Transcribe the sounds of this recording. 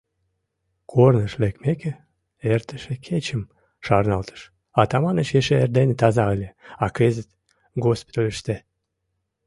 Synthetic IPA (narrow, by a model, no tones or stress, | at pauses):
kʰornəʃlekmeke | ert̪əʃekʰet͡ɕəm | ʃɑrnɑlt̪ə̥ʃ | ɑt̪ɑmɑnət͡ɕjeʃeerd̪enet̪ɑzɑlʲeɑkezət̪ | ɡospo̥t̪olʲeʃt̪e